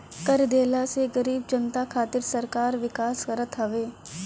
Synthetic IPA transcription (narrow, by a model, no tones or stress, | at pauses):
kɐɾd̪eːlaseɡɐɾiːbd͡ʒɐnt̪akʰaːt̪ɪɾsɐɾkaːɾʋɪkaːskɐɾət̪ɦɐʋeː